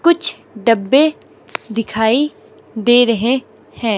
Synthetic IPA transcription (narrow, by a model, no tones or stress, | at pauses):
kʊt͡ʃʰ | ɖɐbːe | d̪ɪkʰaːi | d̪eːɾɐɦe | hɛ̃ː